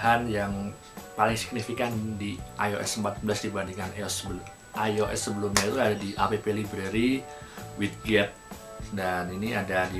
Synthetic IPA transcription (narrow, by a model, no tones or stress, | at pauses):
ɦanjaŋ | palɪŋsi̥k̚nifikandiʔajo̰ʔɛ̰səmpat̪̚bəlasdibandiŋaneɔsəbəlm | ʔajoʔɛ̰sːəbəlumɲait̪uadadiʔapepelibɾeɾi | wit̪̚ɡɛt̪̚ | daniniadadi